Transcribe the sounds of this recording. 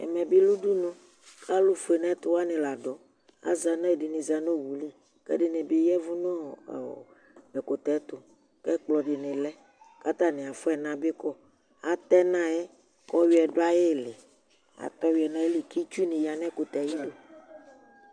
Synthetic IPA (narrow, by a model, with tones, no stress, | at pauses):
ɛ̰˨mɛ̃˨be˦lu˦ɖu˦nũ˦ | kʰa˦lu˦fo˨e˨nɛ̃˦t̪o˦wa˦nẽ˨la˨ɖɔ˨ | a̰˦za˨nã˦e˨de˨nĩ˨za˨no˦˨wu˨li˦ | kɛ̰˦de˨ne˨be˦jɛ˦vu˦nɔ̃˦˨ | e˨ko˨t̪ɛ˨˦t̪o˨ | kɛ˦k͡plɔ˨ɖe˨nẽ˨lɛ˦ | ka˦t̪a˦nẽ˨a˨fo˦ɛ˨nã˨be˦kɔ˦ | a˨t̪ɛ˦nã˦je˦ | kɔ˦wi˦ɛ˨ɖo˦a˦je˦˨le˨ | a̰˨t̪ɔ˦wi˨˦ɛ˨nã˦je˦li˨ki˦t͡ʃu˦nẽ˨ja˨nɛ̃˦ko˨t̪ɛ˨ji˦lo˦